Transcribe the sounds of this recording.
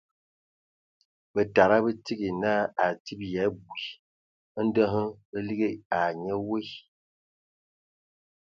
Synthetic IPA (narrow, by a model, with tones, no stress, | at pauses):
bə˨ta˨ɾa˦bə˦ti˦ɡi˨na˦a˨ti˦b̚jɛ˨˦bwi˨˦ | n̩˦də˦ɦə˦ə˦li˦ɡe˦a˨ɲə˦we˦˨